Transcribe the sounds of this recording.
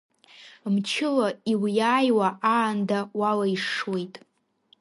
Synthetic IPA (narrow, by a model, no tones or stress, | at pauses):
mt͡ʃʰɪlaiwjaːjwaʔaːndawalaiʂwe̞jtʼ